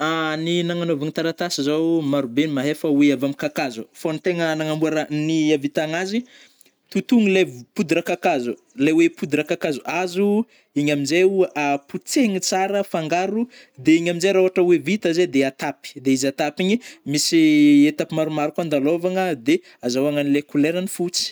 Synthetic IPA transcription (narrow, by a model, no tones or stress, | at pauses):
aninaŋanovaŋt̪aɾat̪asizowmaɾubenimaɦefəweavamikakazufonit̪eŋənaŋambuaɾaniavit̪aŋazi | t̪ut̪uŋilevpud̪iɾakakazu | lawepud̪uɾakakazuazu | iɲamid͡ʒeuʔaput͡seŋit͡saɾəfaŋɡaɾu | d̪eiɲamind͡ʒejɾaoaʈ͡ʂəwevit̪əzed̪eat̪api̥d̪eizat̪apiɲimisiet̪apimaɾumaɾukand̪alovaŋəd̪e | azawaŋanilekuleɾənifut͡si̥